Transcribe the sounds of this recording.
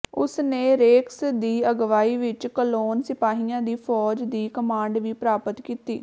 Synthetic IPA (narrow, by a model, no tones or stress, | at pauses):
ʊ̰sneːɾeːksd̪iːəɡʋaːiːʋɪt͡ʃkəloːnsɪpaːɦiːãːd̪iːfʰɔːd͡ʒd̪iːkəmãːɳɖʋiːpɾaːpət̪kiːt̪iː